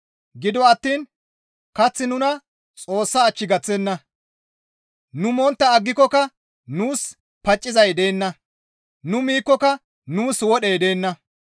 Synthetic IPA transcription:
ɡɪd̪ɔɐt̪ːiːn | kɐt͡sːɪnʊnɐ | t͡sʼo̞ːsːɐːt͡ʃːɪɡɐt͡sːɛnːɐ | nʊmɔnt̪ːɐːɡːɪkːɔkɐ | nuːs | pɐt͡ʃʼːɪzɐjd̪e̞ːnːɐ | nʊmiːkːɔkɐ | nuːswɔɗɛjd̪e̞ːnːɐ

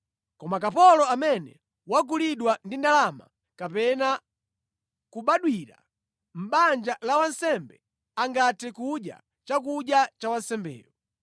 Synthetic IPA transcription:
kɔmakapɔlɔamɛnɛ̰ | wak̬uliɗwandindalama̰ | kapɛna | kuɓaɗwiɾa̰ | m̩ɓand͡ʒalawansɛmbɛ | aŋɡatʰɛkuɗja̰ | t͡ʃakuɗjat͡ʃawansɛmbɛ̰ːjɔ

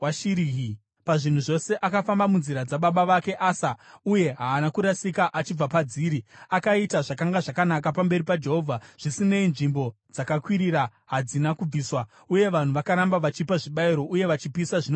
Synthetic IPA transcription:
waʃiɾiɦi | paʐin̤uʐo̞se̞ʔakafambamunziɾad͡zaɓaɓaʋake̞ʔaːsauje̞ɦaːnakuɾasikaʔat͡ʃib͡vapad͡ziːɾiakaitaʐakaŋɡaʐakanakapambe̞ɾipad͡ʒe̞ɦo̞vʱaʐ̥isine̞inʐimbo̞d͡zakakwiɾiɾa | ɦad͡zinakub͡viːswa | uje̞ʋan̤uʋakaɾambaʋat͡ʃipaʐiɓaiɾo̞ʔuje̞ʋat͡ʃipisaʐino

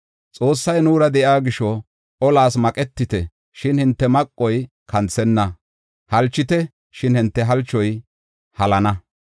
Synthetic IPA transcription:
t͡sʼo̞ːsːɐjnuːɾɐd̪ɛʔaːɡɪʃɔ | ʔɔlaːs̬mɐkʼɛt̪ːɪt̪ɛ | ʃɪnhɪnt̪ːɛmɐkʼːɔj | kʰɐnt͡sːɛnːɐ | hɐlt͡ʃːɪt̪ɛ | ʃɪnhɪnt̪ːɛɦɐlt͡ʃːɔj | hɐlɐnɐ

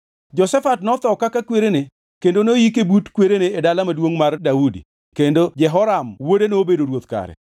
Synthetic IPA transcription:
d͡ʒɔsɛfatnɔt̪ɔkakakweɾene | kendonojikebutkweɾeneːdalamadwoŋmardaudḭ | kendod͡ʒɛɦɔɾamwodeneobedoɾwot̪ka̰ɾɛ̰

